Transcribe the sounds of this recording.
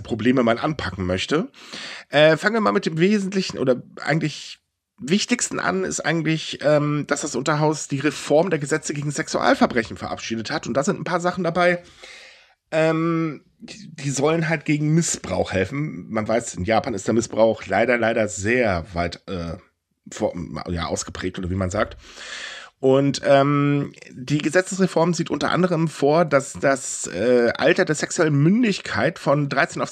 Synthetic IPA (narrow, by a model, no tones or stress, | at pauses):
pʁ̥obleːməmanʔa̰npʰakŋ̩mœçtəʔɛːfaŋənviːɐmaːlmɪt̚d̥eːmveːzn̩tlɪçn̩ʔo̰ːdɐʔa̰ɪɡŋ̩tlɪç | vɪçtɪçstn̩ʔa̰nɪ̰stʔa̰ɪɡŋ̩tlɪçʔɛːmd̥asd̥asʔʊntɐɦaʊsd̥iːʁefɔɐmndeːɐɡəzɛt͡səɡeːɡŋ̩zɛksuʔa̰ːlfɛɐbʁɛçn̩fɛɐʔa̰pʃiːdəthatʊntd̥aːzɪntn̩pʰaːɐzaχn̩dabaɪ | ʔɛːm | d̥iːzɔlənɦalt̚ɡ̥eːɡŋ̩mɪsb̥ʁa̰ʊxhɛlfn̩manvaɪsɪnjaːpʰaːnɪstd̥eːɐmɪsb̥ʁaʊxlaɪɾɐlaɪɾɐzeːɐvaɪtʔɛː | fja̰ːʔa̰ʊsɡ̥əpʁ̥ɛːk̚tʔoːdɐviːmanzaːk̚t | ʔʊntʔɛːm | diːɡəzɛt͡səsʁ̥efɔɐmziːtʔʊntɐ̰ʔa̰ndəʁ̞əmfoːɐdasd̥asʔɛːʔa̰ltɐdeːɐsɛksuɛlənmʏndɪçkʰaɪtfɔndʁaɪt͡seːnaʊ